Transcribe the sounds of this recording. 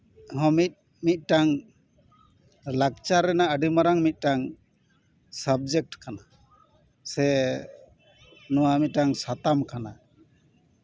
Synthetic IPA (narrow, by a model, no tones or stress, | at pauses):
ɦɔmit̪̚ | mit̪̚ˀʈaŋ | lakt͡ʃaɾɛnaəɖimaɾaŋmit̪̚ˀʈaŋ | səb̚d͡ʒek̚ʈkana | sɛ | nɔwamit̪̚ʈaŋsat̪amkana